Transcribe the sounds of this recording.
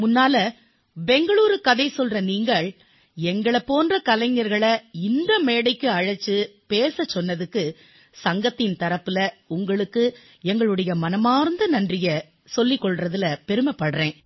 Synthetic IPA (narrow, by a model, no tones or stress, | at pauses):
mʊnːaːlɐ | bɛŋɡɐɭuːɾɯkːɐðɐɪsɔlrɐniːŋɡɐɭ | ɛŋɡɐɭɐpːoːndrɐkɐlɐŋɐɾɣɐɭɐɪnd̪ɐmeːɽɐɪkːɯɐɻɐt͡ʃːɯpeːsɐt͡ʃːɔnːɐðɯkːɯ | sɐŋɡɐt̪ːɪnt̪ɐɾɐpːɯlɐʊŋɡɐɭɯkːɯ | ɛŋɡɐɭɯɽɐjɐmɐnɐmaːɾnd̪ɐnɐndrɪjɐ | sɔlːɪkːɔɭrɐðɪlɐpɛɾɯmɐpːɐɽrẽː